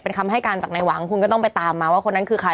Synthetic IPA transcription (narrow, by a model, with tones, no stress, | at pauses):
pe˧nkʰa˧mɦa˥˩jkaː˧nt͡ɕaː˨˩kna˧jwa˩˦ŋkʰu˧nkɔː˥˩t̪ɔ˥˩ŋpa˧jt̪aː˧mːaː˧waː˥˩kʰo˧nːa˦˥nkʰɯː˧kʰa˧˩